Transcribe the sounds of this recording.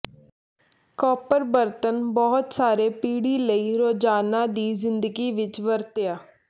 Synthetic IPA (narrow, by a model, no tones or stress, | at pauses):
kɔːpəɾbəɾt̪ənbɔːʊt̪saːɾeːpiːɽiːləiːɾoːd͡ʒaːnaːd̪iːzɪnd̪əɡiːʋɪt͡ʃʋəɾt̪ɪjaː